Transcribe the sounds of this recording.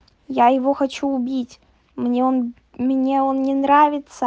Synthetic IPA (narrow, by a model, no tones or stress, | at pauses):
jajɪvo̞xɐt͡ɕuːbʲitʲ | mnʲeon | mnʲe̞o̞nnʲɪnɾavʲɪt̪sə